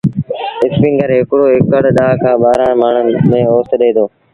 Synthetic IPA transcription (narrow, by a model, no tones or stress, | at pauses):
ɪspɪ̃ŋɡəɾɦɪkɽoːɦɪkəɽɗ̪aːkʰãːɓaːɾãːmaːɳ̤əmẽːoːst̪ɗeːd̪oː